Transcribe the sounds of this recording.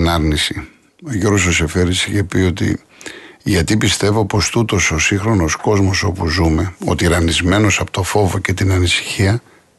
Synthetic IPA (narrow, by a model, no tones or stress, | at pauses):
nɐɾnisi | o̞ʝoɾɣos̬ose̞fe̞ɾisiçe̞pio̞t̪ḭ | ʝɐt̪ipist̪e̞vo̞po̞st̪ut̪o̞so̞sĩxɾo̞no̞sko̞zmo̞so̞puzume̞o̞̰t̪iɾɐnizme̞no̞sɐpo̥t̪ofo̞voce̞t̪inɐnisi̥çiɐ